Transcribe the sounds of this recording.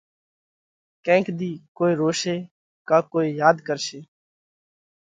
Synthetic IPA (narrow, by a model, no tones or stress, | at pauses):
kɛ̃ːŋkd̪iːkoːiːɾoːʃeː | kaːkoːiːjaːd̪kəɾʃeː